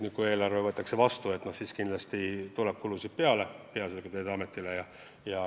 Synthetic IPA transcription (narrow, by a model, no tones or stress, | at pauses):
nikue̞ːlɑrvevɤt̪ːˑɑkse̞vɑst̪ue̞t̪ːno̞hsiːskind̪lɑst̪it̪ulep̚kulusid̪̥̚pe̞ɑlepeɑselɡ̥ɑt̪eːd̪ɑme̞t̪ːˑilejɑ | jɑ